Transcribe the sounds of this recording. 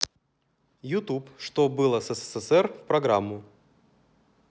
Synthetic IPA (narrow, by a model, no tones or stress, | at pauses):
jʊt̪upʂt̪obɨlˠəsɛsɛsɛsɛrfpɾɐɡɾamːʊ